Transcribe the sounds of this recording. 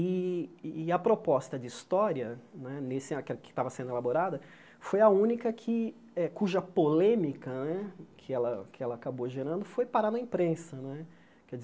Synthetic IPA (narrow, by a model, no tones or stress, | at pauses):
i | ɐpɾopɔst̪ɐd͡ʒɪist̪ɔɾiɐnɛnesɪɐ̃kɛkɪ̥t̪avɐsẽnd̪elaboɾad̪ɐ | fojɐũnikɐkʰɪ | ɛkuʒɐpolẽmikɐnɛkʰɪɛlɐ̰kɪɛlɐːkaboʒeɾɐ̃nd̪ʊfojpaɾanɐĩpɾẽsɐñɛ | kɛd͡ʒɪz